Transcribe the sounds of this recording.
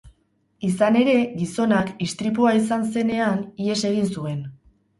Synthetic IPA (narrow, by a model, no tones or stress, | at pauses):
isane̞ɾe̞ɣiso̞nakist̪ɾip̬uaisanse̞ne̞anie̞se̞ɣ̞insue̞n